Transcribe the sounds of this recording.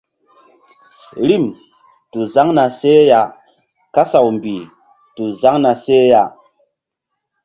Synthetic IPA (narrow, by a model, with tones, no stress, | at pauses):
ɾi˦˨m | tu˨za˦ŋna˨se˦ja˨ | ka˦sa˨wmbi˨ | tu˨za˦ŋna˨se˦ja˨